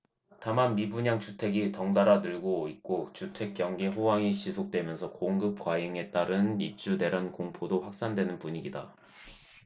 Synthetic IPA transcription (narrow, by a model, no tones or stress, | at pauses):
tamanmibuɲaŋt͡ɕutʰe̞ɡitʌŋdaɾadɯɭɡoik̚k͈ot͡ɕutʰe̞k̚k͈jʌŋɡeɸowaŋiɕʰisʰok̚t͈we̞mjʌnsʰʌkoŋɡɯp̚k͈waiŋe̞t͈aɾɯnip̚t͡ɕ͈ude̞ɾankoŋpʰodoɸwak̚s͈andwe̞nɯnpuɲiɡida